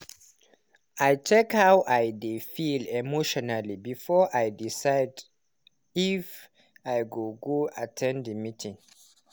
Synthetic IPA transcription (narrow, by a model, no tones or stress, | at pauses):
ajt͡ʃɛkhawʔajdefilɛmoʃɔnalibifɔʔajdisaɪd | if | ajɡoɡoatʰɛ̃ndəmitʰĩŋ